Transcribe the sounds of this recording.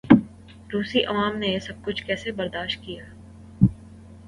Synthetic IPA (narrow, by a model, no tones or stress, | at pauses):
ɾuːsiʔɐʋaːmnejsɐb̚kʊt͡ʃʰkɛːsebɐɾd̪aːʃt̪̚kijaː